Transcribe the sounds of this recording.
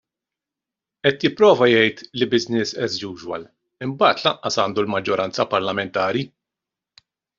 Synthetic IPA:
ʔɛt̪jɪpːɾɔːvɐjɛjt̪libɪznɪsɛzd͡ʒuːʒwɐ̰l | ɪmbɐːt̪lɐʔɐsɐːnd̪ulmɐd͡ʒːɔɾʔɐnt͡sɐpɐɾlɐmɛnt̪ɐːɾi

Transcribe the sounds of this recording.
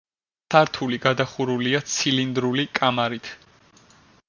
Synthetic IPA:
saɾt̪ʰuliɡad̪aχuɾuliat̪sʰilind̪ɾulikʼamaɾit̪ʰ

